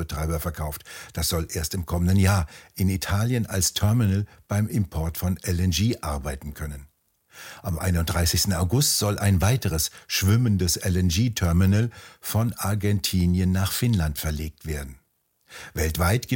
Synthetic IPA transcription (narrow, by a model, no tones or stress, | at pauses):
b̥ətʁ̥aɪbɐfɛɐkʰaʊftd̥asz̥ɔlʔeːɐstɪmkʰɔməndənjaːɐʔɪnitʰaːljənalstʰœɐmɪnəl | b̥aɪmɪmpʰɔɐtfɔnʔɛlɛnʒiːʔaɐbaɪtn̩kʰœnən | ʔamʔa̰ɪnʊnt̚d̥ʁaɪsɪçstn̩aʊɡʊstz̥ɔlʔa̰ɪnvaɪtəʁəsʃv̥ɪməndəsɛlɛnʒiːtʰœɐmɪnəlfɔnʔaɐɡɛntʰiːnjənːaːχfɪnlantfɛɐleːk̚tv̥eːɐdn̩ | vɛltv̥aɪtɡ̥ɪ